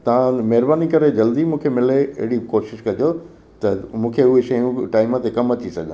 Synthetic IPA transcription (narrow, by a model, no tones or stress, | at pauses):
t̪ɐʋ̤ãmɛɦɪɾbaːnikɐɾed͡ʑɐld̪imũːkʰemɪleɐ̰ɦɪɽikoːʃɪʃkɐd͡ʑo | t̪ɐmũːkʰeʊɦeʃɐjũʈaːɪmãt̪ʰekɐmɐt͡ɕisɐɡɠã